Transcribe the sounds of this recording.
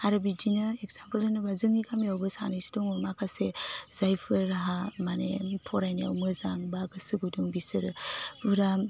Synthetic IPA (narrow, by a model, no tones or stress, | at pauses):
aɾɯbid͡ʒinɯeɡzampəlɯnɯbazɯŋiɡamjawbɯsa̰najsi̥dɔŋumakʰasezajfʰɯɾɦamanḛpʰɔɾajnia̰wmɯzaŋbaɡɯsɯɡuduŋbisɯɾɯuɾa